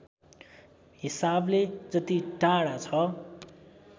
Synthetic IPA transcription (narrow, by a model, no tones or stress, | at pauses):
ɦisabled͡zʌt̪iʈaɽat͡sʰʌ